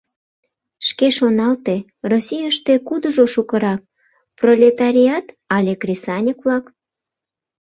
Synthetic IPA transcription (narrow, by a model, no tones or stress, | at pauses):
ʃkeʃonɑlt̪e | rosʲijəʃt̪ekud̪əʒoʃukə̆ɾɑk̚ | prolʲet̪ɑɾʲiɑt̪ | ɑlʲekrʲesɑnʲəkβlɑk